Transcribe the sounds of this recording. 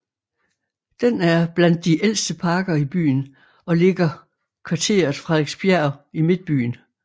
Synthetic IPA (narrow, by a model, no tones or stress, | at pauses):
d̥enæɐb̥læn̰d̥ːiʔel̰sd̥əpʰɑ̈ːɡ̥ɐib̥y̰ːn | ɒ̽le̝ɡ̥ɐ | kʰʋɑ̈t͡sʰe̝̰ːɐðˠfʁɑeɡ̥sb̥jæɐimed̥̚b̥y̰ːn